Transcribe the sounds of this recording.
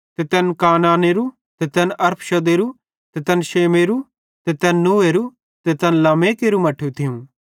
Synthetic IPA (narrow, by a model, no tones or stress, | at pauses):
t̪et̪ɛːnkaːnaːneɾu | t̪et̪ɛːnɐɾpʰʃɐd̪eːɾu | t̪et̪ɛːnʃeːmeɾu | t̪et̪ɛːnːuːeɾu | t̪et̪ɛːnlaːmeːkeɾumɐʈʰut̪ʰɪjũ